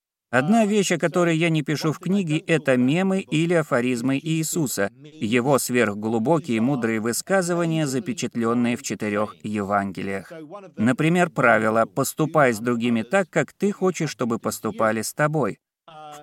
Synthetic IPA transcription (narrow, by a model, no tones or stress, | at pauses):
ɐd̪navʲeɕːɐkɐt̪o̞ɾɨjjanʲɪpʲɪʂufknʲiɡʲɪʔɛt̪əmʲemɨilʲɪɐfɐɾʲizmɨʔiːsusəjɪvo̞svʲe̞rɣɡlˠʊbo̞kʲɪjəmud̪ɾɨjəvɨskazɨvənʲɪjəzəpʲɪt͡ɕɪt̪lʲo̞nːɨjəft͡ɕɪt̪ɪɾʲo̞xjɪvanɡʲɪ̰lʲɪ̰jəxnəpɾʲɪmʲe̞rpɾavʲɪlˠəpəst̪ʊpajzd̪ɾʊɡʲimʲɪt̪akːakt̪ɨxo̞t͡ɕɪʂːt̪o̞bɨpəst̪ʊpalʲɪst̪ɐbo̞j